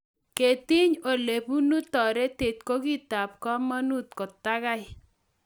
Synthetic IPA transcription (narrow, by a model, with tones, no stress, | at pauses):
ke˨t̪i˦ɲo˨le˨pu˦nu˦t̪ɔ˨ɾe˦t̪e˨t̪ko˦ɡi˦t̪a˨p̚kɔ˦ma˦nu˦t̪̚kɔ˨t̪a˦ɡa˦ɪ˨